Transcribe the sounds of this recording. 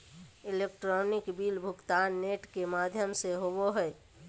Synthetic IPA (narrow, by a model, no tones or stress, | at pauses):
ɪlekʈɾɔːnɪkbiːlbʱʊkt̪aːnːeːʈkemaːd̪ʱjəmseɦoboɦɛe